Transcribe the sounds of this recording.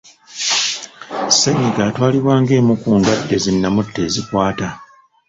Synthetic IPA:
seɲiɡaːtwaːliβwaːŋɡe̞ːmukuːndwadːe̞zinːamutːe̞ːzikwaːta

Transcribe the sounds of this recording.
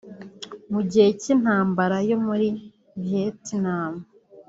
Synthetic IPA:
muɟihecin̥haːmbaɾajo̞muɾi | vjetinaːmu

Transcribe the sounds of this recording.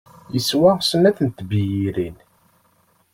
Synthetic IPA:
jəswæsənæθənt̪bijiɾin

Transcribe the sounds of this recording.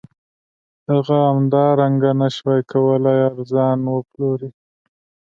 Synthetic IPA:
haɣaamd̪ɑɾaŋɡanaʃwajkʰawəlajaɾzɑnwəploɾi

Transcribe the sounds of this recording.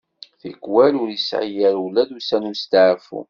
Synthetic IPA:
θḭkwælʊɾisʕə̰jæɾwlæd̪usænust̪aʕfṵ

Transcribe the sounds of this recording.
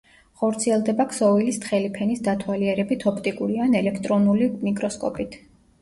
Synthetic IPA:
χɔɾt̪sʰiɛlˠd̪ɛbakʰsɔvilist̪χɛlipʰɛnisd̪at̪ʰwaliɛɾɛbit̪ʰɔpʰt̪ʼikʼuɾianɛlɛkʰt̪ʼɾɔnulinikʼɾɔskʼɔ̰pʼit̪ʰ

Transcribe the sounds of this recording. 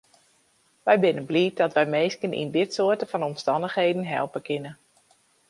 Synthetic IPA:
ʋɛjbɪnənbliːt̚dɔtʋɛjmeːskənḭndɪtsʊətəfɔnɔmstɑndəxhejdən̩ɦɛ̰lˠpəkʰɪnə

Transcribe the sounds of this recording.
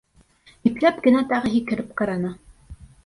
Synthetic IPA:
iplæp̚ɡɘ̆næt̪ɑʁɤɦikɘ̆ɾɘp̚qɑɾɑnɑ

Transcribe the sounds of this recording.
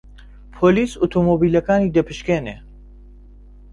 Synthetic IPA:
pʰoːliːsut̪ʰomoːbiːlɐkaːniːd̪ɐpʰɨʃkeːne

